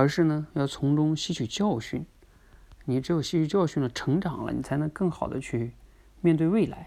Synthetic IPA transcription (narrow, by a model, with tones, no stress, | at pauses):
ə˞˧˥ʂɻ̩˥˩nə˩˨jɑ˥˩ʊt͡sʰʊ˧˥ŋʈ͡ʂʊ˥ŋɕi˥t͡ɕʰy˨˩t͡ɕjɑ˥˧ʊɕy˥˩n | ni˨˩ʈ͡ʂɻ̩˧˥jo˨˩ʊɕi˥t͡ɕʰy˧˩t͡ɕjɑ˥˧ʊɕy˥˩nd̪ə˩ʈ͡ʂʰɤ˧˥ŋʈ͡ʂɑ˨˩ŋlə̰˦ni˨˩t͡sʰa˧˥ɪnɤ˧˥ŋkɤ˥˩ŋxɑ˨˩ʊd̪ə̰˦t͡ɕʰy˥˧ | mjɛ˥˧nt̪we˥˧we˥˩ɪla˧˥ɪ